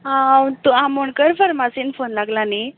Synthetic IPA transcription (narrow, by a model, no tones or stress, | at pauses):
ɦãt̪uãmoɳkəɾfəɾmasiːnfonlaɡlani